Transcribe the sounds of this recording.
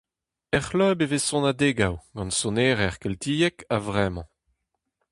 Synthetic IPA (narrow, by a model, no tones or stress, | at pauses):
ɛχlœːbevesɔ̃nad̪eːɡawɡ̥ɑ̃nsoneːʁɛʁkɛlt̪iːjɛkavʁɛːmɑ̰̃